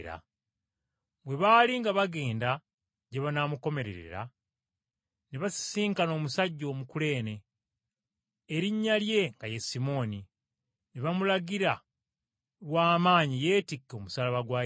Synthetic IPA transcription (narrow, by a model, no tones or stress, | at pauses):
ɾa̰ | βwe̞βaːliŋɡaβaɡe̞ːnda | ɟeβanamuko̞me̞ɾe̞̰ɾḛɾa̰ | neβasi̥siːŋkano̞ːmusaɟːo̞ːmukule̞ːne̞ | eɾiɲːalje̞ŋɡaje̞simo̞ni | neβamulaɡiɾa | lwaːmaːɲije̞ːtikːo̞musalaβaɡwaː